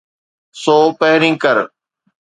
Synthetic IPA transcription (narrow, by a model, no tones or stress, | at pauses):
soːpɐɦɾĩːkəɾ